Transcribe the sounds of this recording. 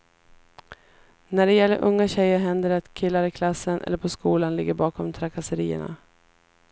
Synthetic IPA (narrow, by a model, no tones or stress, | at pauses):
næɖɛjɛlːəɾʔɵŋːaɕɛjːəɾɦɛnd̪əɾat̪kʰɪlːaɾɪkʰlasːənʔɛ̰lːəɾpʰɔskuːlanlɪɡːəɾbɑːkʰɔmt̪ʰɾakʰasəɾiːə̰ɳa̰